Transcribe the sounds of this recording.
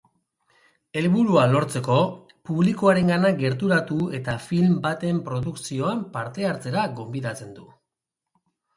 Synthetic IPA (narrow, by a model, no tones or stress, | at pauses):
e̞lβuɾualo̞ɾt͡se̞ko̞ | puβlikoaɾe̞ŋɡanaɡe̞ɾt̪uɾat̪ue̞t̪afilmbat̪e̞mpɾo̞ðuksio̞ampaɾt̪e̞aɾt͡se̞ɾaɡo̞mbiðat͡se̞nd̪u